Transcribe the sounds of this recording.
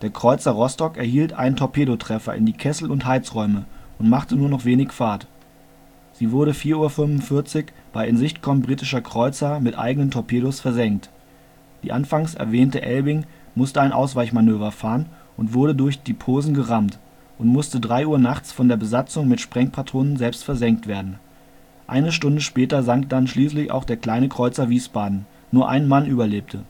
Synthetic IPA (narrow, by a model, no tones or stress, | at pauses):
d̥eːɐkʁ̥ɔʏt͡sɐʁɔstɔkɛɐhiːltʔa̰ɪnəntʰɔpʰeːɾotʁ̥ɛfɐ̰ʔɪ̰ndiːkʰɛsl̩ʊnthaɪt͡sʁɔʏməʔʊntmaχtənuːɐnɔχv̥eːnɪçfaːt | z̥iːvʊɐɾəfiːɐʔuːɐfʏnvʊnfɪɐt͡sɪçb̥aɪʔɪnzɪçtkʰɔmbʁiːtɪʃɐkʁ̥ɔʏt͡sɐmɪtʔa̰ɪɡənəntʰɔɐpʰeːɾosfɛɐzɛŋkt | d̥ḭːʔanfaŋsʔɛ̰ɐvɛːntəʔɛlbɪŋ | mʊstəaɪnʔa̰ʊsv̥aɪçmanøːvɐfaːʁən | ʔʊntv̥ʊɐɾədʊɐçd̥iːpʰoːzn̩ɡəʁamt | ʔʊntmʊstədʁaɪuːɐnaχt͡sfɔndeːɐbəzat͡sʊŋmɪtʃpʁ̥ɛŋpʰatʰʁ̥oːnənzɛlpstfɛɐzɛŋk̚tv̥eːɐdn̩ | ʔa̰ɪnəʃtʊndəʃpɛːtɐzaŋkd̥anʃliːslɪçʔa̰ʊxχd̥eːɐkl̥aɪnəkʁ̥ɔʏt͡sɐviːsb̥aːdn̩ | nuːɐʔa̰ɪnmanʔyːbɐleːp̚tʰə